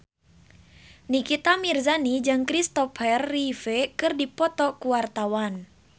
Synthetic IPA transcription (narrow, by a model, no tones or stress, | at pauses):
nikit̪amirzanid͡ʒɨŋkɾist̪ɔfɛrːifekɨrdipɔt̪ɔkuwart̪awan